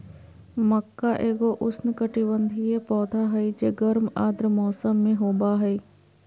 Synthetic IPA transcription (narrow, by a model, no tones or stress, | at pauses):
mɐkːaʔeːɡoʔʊsnɪkəʈibə̃nd̪ʱiepɔːt̪ʰaɦɛid͡ʒeːɡɐɾmaːd̪ɾəmɔːsəmːẽɦoːbaɦɛi